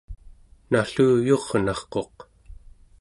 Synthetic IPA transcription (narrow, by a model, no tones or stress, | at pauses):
naɬuːjo̞ʁnɑχqo̞q